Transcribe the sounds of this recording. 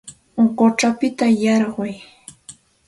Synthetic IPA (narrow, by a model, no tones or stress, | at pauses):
oɢot͡ʃapɪt̪ajɑɾɢʊj